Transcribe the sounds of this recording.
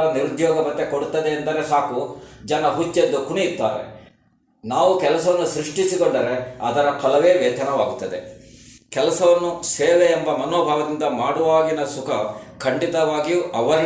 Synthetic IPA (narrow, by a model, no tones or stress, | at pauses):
ɭɐniɾud̪jɔːɡɐbɐt̪ːekoɽut̪ːɐd̪eːnd̪ɐɾesaːkud͡ʒɐnɐɦut͡ʃːed̪ːukuɳijit̪ːa̰ːɾḛ | naːʋukɛlɐsɐʋɐnːusɾiʂʈisikoɳɖɐɾeɐd̪ɐɾɐkʰɐlɐʋeːʋeːt̪ʰɐnɐʋaːɡut̪ːɐd̪ḛkɛlɐsɐʋɐnːuseːʋeːmbɐmɐnoːbʱaːɡɐd̪ind̪ɐmaːɽuʋaːɡinɐsukʰɐkʰɐɳɖit̪ɐʋaːɡijuʔɐʋɐɾ